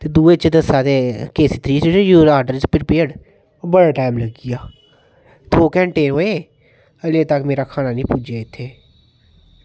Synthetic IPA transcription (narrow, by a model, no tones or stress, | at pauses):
t̪eːd̪uːeːt͡ʃːd̪əsaːt̪eːkeːsiːt̪ɾiːt͡ʃjuːɾaːɾɖəɾd͡ʒpʰɪɾpeːɽ | bəɽaːʈaːɪmləɡɪjaː | t̪ʰoːkɛ̃ːɳʈeːnɦoːeː | əleːt̪əkmeːɾaːkʰaːnaːnĩːpʊd͡ʒaːɪt̪ʰːeː